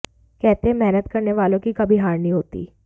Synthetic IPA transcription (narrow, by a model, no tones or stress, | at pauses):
kɛɦt̪eẽmɛɦnət̪kɐɾneʋaːlõkikɐbʱiɦaːɾnĩɦoːt̪ḭː